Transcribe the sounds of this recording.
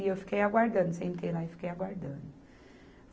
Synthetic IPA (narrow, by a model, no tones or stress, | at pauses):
iefkʰeaɡwaɾdə̃nsẽmkʰelajfkeaɡaɾɖən | f